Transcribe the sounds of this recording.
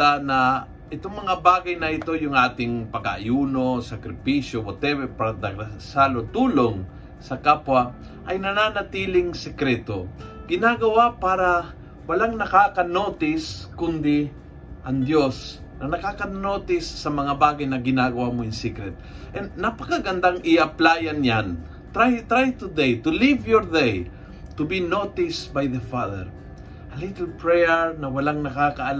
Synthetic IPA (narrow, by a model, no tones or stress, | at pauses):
anɐ | ʔɪt̪oŋmɐŋabaːɡɐjnɐʔɪt̪o̞jʊŋʔaːt̪ɪŋpɐɡa̰ʔːjuːnosɐkɾɪpiʃjobot̪ɛbɛpaɾad̪ɐɡasaːlot̪uːloŋ | sɐkapwa | ʔɐjnɐnanɐt̪iːlɪŋsɛkɾɛt̪oɡ̥ɪnaɡɐwapaːɾa | wɐlaŋnɐkakɐnoːt̪ɪskʊnd̪ɪ | ʔɐŋd̪jos | nɐnɐkakɐnot̪ɪsːɐmɐŋabaːɡajnɐɡɪnaɡɐwamoɪnsikɾɛt̪̚ | ʔɛnːɐpɐkaɡɐnd̪aŋʔɪʔɐplaːjanjan | t̪ɾajt̪ɾajt̪ʊd̪ejt̪ʊlivjoɹd̪ej | t̪ʊbinot̪ɪsbajðɐfaðɛ̰ɹ | ʔɐlit̪ɛlpɹɛjɛɹnɐwɐlaŋnɐkakɐʔɐl